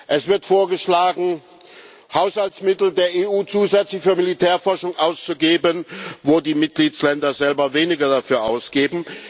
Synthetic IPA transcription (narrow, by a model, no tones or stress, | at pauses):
ʔɛsv̥ɪɐtfoːɐɡəʃlaːɡŋ̩ | haʊshalt͡smɪtl̩deːɐeːʔuːt͡suːzɛt͡slɪçfyːɐmilitʰɛːɐfɔɐʃʊŋʔaʊst͡suɡeːbənvoːdiːmɪt̚ɡ̥liːt͡slɛndɐzɛlbɐveːnɪɡɐdafyːɐʔaʊsɡ̥eːbm̩